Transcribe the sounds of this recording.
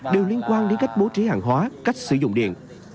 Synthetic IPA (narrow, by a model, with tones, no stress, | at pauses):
ɗe˨˩wli˧ənkwaː˧nɗe˨˦nka˦˥jk̟̚ɓo˨˦t͡ɕi˨˦haː˧˨˩ŋɦwaː˨˦ka˦˥jk̟̚sɨ˧˩zʊ̰˧˨ŋ͡mɗḭ˧˨ən